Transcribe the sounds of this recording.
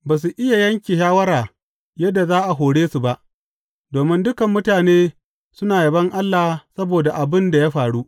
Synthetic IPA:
baː˨s̬u˨ʔɪ˦ja˨jɐ˦ŋkʲi˨ʃaː˦wɐ˦ɾaː˨ | jɐ˦dːa˨zaː˦ʔa˨ɦoː˨ɽeː˦su˨ba˦ʔ | doː˨mɪ˦ndʊ˦kɐ˨mːʊ˦taː˨neː˦ | sʊ˦naː˨jɐ˨bɐ˦ŋʔa˦lːa˨sɐ˦boː˨da˨ʔa˨bɪ˦nda˨jaː˦ɸaː˨ɽu˦ʔ

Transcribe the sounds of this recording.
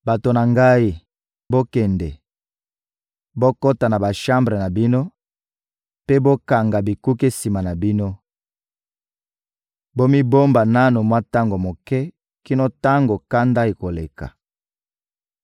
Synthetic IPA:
ba˨to˨na˨ŋɡa˦i˦ | bo˦kɛ˨ndɛ˨ | bo˦ko˦ta˨na˨ba˨ʃã˦mbʁe˨na˨bi˦no˦ | pe˦bo˦ka˨ŋɡa˨bi˨ku˦ke˦si˨ma˨na˨bi˦no˦ | bo˦mi˦bo˦mba˨na˦no˨mwa˦ta˦ŋɡo˨mo˨kɛ˦ | ki˦no˦ta˦ŋɡo˨ka˦nda˦i˨ko˨le˨ka̰˨

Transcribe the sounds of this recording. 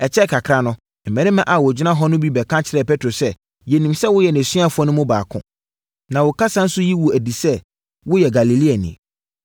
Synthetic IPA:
ɛ˨t͡ɕʰɛ˦˨kʰa˨kʰɾa˦nʊ̃˦ | m̩˨mɛ̃˨nɪ̃˦mã˦ʔa˨wʊ˨d͡ʑᶣɪ˦nã˦ɦɔ˦nʊ̃˦bi˦bɛ˨kʰã˦t͡ɕʰɪ˨ɾɛ˦˨pʰɛ˦tʰɾo˨sɛ˦ | jɛ˨nĩ˨msɛ˦wʊ˦jɛ˨nɪ̃˨sĩ˦a˦fʊ˦ɔ˦nʊ̃˦mʊ̃˦baː˨kʰʊ̰̃˦ | nã˨wʊ˨kʰa˦sã˦n̩˦sʊ˦ji˦wʊ˨æ˨di˨sɛ˦ | wʊ˦jɛ˨ɡa˨li˨li˦a˨nɪ̰̃˨

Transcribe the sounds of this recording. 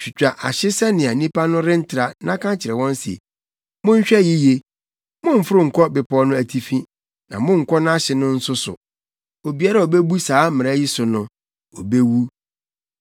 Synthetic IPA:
ɕᶣi˨t͡ɕᶣa˨ʔa̰˨ɕɪ˦sɛ˦nɪ̃˨a˨nĩ˦pʰa˦nʊ̃˦ɾɪ̃˦n̩˦tʰɪ˨ɾa˨nã˦kʰã˦t͡ɕʰɪ˨ɾɛ˨wɔ̃˦nsḛ˨ | mʊ̃˦ɲ̩˦ɕᶣɛ˦jɪ˦je˨ | mʊ̃˦m̩˨fʊ˦ɾʊ˦˨ŋ̩˨kʰɔ˦bɪ˨pʰɔ˦nʊ̃˦æ˨tʰi˨fĩ˦ | nã˨mʊ̃˦ŋ̩˨kʰɔ˦ñ˦a˦ɕɪ˨nʊ̃˦n̩˦sʊ˦sʊ̰˨ | o˨bi˨a˦ɾa˦˨o˨be˦bu˦saː˨˦mɪ̃˨ɾa˦ji˦sʊ˨nʊ̃˦ | o˨be˦wu˦

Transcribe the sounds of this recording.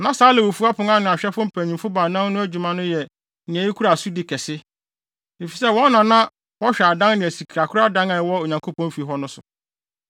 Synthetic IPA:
nã˦saː˨˦lɪ˨wo˨fu˦a˦pʰʊ̃˨˦ŋã˦nʊ̃˨a˨ɕᶣɛ˦fʊ̃˦m̩˦pʰæ˨ɲĩ˨mfʊ˦ba˨nã˦nnʊ̃˦æ˦d͡ʑᶣu˨mã˦nʊ̃˦jɛ˨ | nɪ̃˨æ˨i˦kʰu˦ɾa˨su˦dɪ˨kʰɛ˨sɪ˦ | e˨fi˨sɛ˦wɔ̃˦nː˦ã˨nã˦ | wɔ˦ɕᶣɛ˨a˨dã˦ŋnɪ̃˨æ˨si˨kʰi˨ɾa˨kʰʊ˦ɾa˦dã˦ŋa˨wɔ˦o˨ɲã˨ŋkʰo˦pʰɔ̃˦m̩˦fi˨ɦɔ˦nʊ̃˦sʊ˨

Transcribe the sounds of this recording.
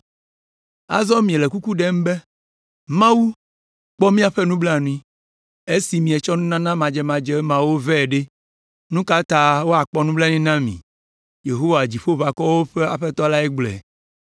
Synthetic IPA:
a̰˦zɔ˦mĩ˨le˨ku˦ku˦ɖɛ˦m˦be˦ | mã˦wu˦ | k͡pɔ˦mĩ˦a˨ɸe˦nũ˦blɛ˦a˨nũ˦ĩ˦ | e˦si˨mĩ˨e˨t͡ʃɔ˦nũ˦nã˦nã˦mã˨d͡ʒɛ˦mã˨d͡ʒɛ˦mã˨wo˦vɛ˦˨ɖe˦ | nũ˦ka˦t̪a˨wo˦a˨k͡pɔ˦nũ˦blɛ˦nĩ˦nã˦mḭ̃˨ | je˨ɦo˦wa˨d͡ʑi˨ɸo˦βa˨kɔ˦wo˦ɸe˦a˨ɸɛ˦t̪ɔ˦la˦ɛ˦ɡ͡blɛ̰˨

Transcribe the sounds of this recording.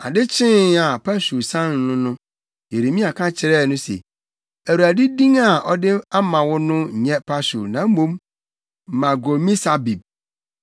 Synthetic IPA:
a˨dɪ˦t͡ɕʰɪ̃˦a˨pʰa˦su˨sã˦n˨nʊ̃˦nʊ̃˦ | je˨ɾe˨mĩ˦a˨kʰã˦t͡ɕʰɪ˨ɾɛ˦˨nʊ̃˦sḛ˨ | æ˨ɾu˨a˨di˦dĩ˦ŋa˨ɔ˦dɪ˦a˦mã˨wʊ˦nʊ̃˦˨ɲɛ̃˦pʰa˦sṵ˨nã˨˦m̩˦mõ˦m˨ | mã˨ɡo˨mĩ˦sa˦bi˨b̚

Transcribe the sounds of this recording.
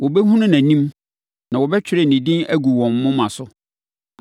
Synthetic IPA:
wɔ˨bɛ˦ɦũ˦nʊ̃˦næ̃˨nĩ˦m | nã˨wɔ˨bɛ˦t͡ɕᶣʰɪ˦ɾɪ˨nĩ˨dɪ̃˦næ˦ɡu˨wɔ̃˨mː˦ʊ̃˦mã˨sʊ˦

